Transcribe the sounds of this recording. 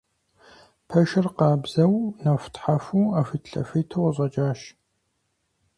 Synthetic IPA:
pʰɐʃɐrqɑːbz̥ɐwnɐftħafuːaːfiːtɬɐ̰fiːtʰɐwɐɕʼɐt͡ʃʼaːʃ

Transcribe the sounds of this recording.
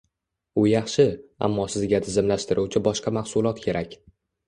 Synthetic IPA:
ʊjɑχʃɪa̰mːɒsɪzɡʲat̪ʰɪzɪmlaʃt̪ɪɾʔuwt͡ʃʰɪbɒʃqɑmaχsʊlˠɒt̪kʲʰe̞ɾʔakʲ

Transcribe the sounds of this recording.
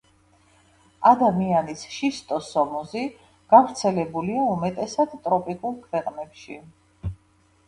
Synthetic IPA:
ad̪amianisʃist̪ʼɔsɔmɔzi | ɡ̥avɾt̪sʰɛlɛbuliaumɛt̪ʼɛsad̪t̪ʼɾɔpʼikʼulˠkʰwɛqʼnɛpʃi

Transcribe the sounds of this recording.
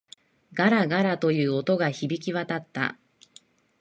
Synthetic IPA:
ɡaɾaɡaɾat̪o̞jɯ̟ːo̞t̪o̞ɡaçibʲikʲiβat̪at̪ːa̰

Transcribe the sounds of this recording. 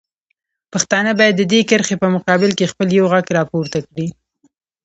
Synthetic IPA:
paxt̪ɑnəbɑjad̪ːəd̪ekəɾxepəmʊqɑbɪlkexpəljawɣaɡɾɑpoɾt̪akɽi

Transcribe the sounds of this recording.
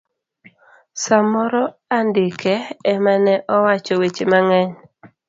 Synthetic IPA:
samɔɾɔandɪkɛɛmanɛʔɔwat͡ʃɔwet͡ʃemaŋɛɲ

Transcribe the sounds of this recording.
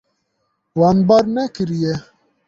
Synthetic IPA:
wɑːnbaɾnɛkɨɾijɛ

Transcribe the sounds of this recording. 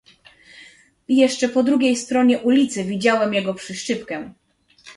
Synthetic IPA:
jɛʂt͡ʂɛpɔd̪ɾuɡʲejst̪ɾɔɲɛʔulʲit̪sɘvʲid͡ʑawɛmjɛɡɔpʂɘʂt͡ʂɘpkɛ̃

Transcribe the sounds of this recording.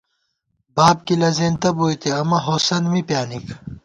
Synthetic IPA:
baːb̚kilɐzeːnt̪ɐboːjt̪eɐmɐɦoːsɐnmipjaːnikʰ

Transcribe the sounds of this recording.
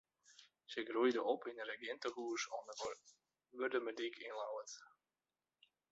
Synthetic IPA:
səɡrujdəʔɔpʰinərəɡjɪntəhuːəsɔnə | ʋørdəmədikʰɪnlawət

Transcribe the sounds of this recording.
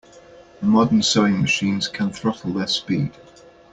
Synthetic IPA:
əmɒdənsəʊɪ̃ŋməʃĩːnz̥kʰə̃nθɹʌtl̩ˠðəspḭːd̥

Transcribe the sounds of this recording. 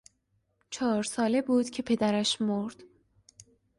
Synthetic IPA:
t͡ʃʰɒːɾsɒːle̞buːd̪̥cʰe̞pʰe̞d̪æɾæʃmoɾd̪̥

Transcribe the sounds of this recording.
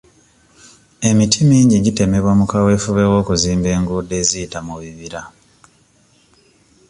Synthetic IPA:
e̞mitʰimiːɲɟiɟite̞me̞βwamukawe̞fuβe̞wo̞ːkuziːmbe̞ːŋɡuːde̞ːziːtamuβiβiɾa

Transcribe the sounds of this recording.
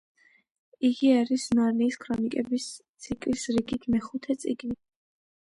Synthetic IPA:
iɡiaɾisnaɾniːskʰɾɔnikʼɛbist̪sʰikʼlisɾiɡit̪ʰmɛχut̪ʰɛt̪sʼiɡni

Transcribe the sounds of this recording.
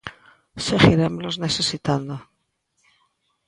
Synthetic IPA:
seɣiɾemloznesesit̪and̪o

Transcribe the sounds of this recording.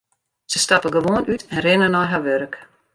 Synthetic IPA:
səstapəɡəʋoənʔytʰɛnrɪnənɔjɦaʋøɾək

